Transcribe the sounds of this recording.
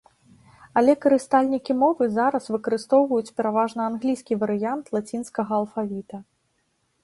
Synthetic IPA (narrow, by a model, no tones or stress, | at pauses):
ɐlʲɛkɐɾɨst̪alʲnʲikʲimɔvɨzaɾɐsvɨkɐɾɨst̪ɔwvɐjut͡sʲpʲɛɾavaʐnɐanɣlʲijskʲivɐɾɨjant̪lˠat͡sʲinskɐɣɐːlˠfavʲit̪ɐ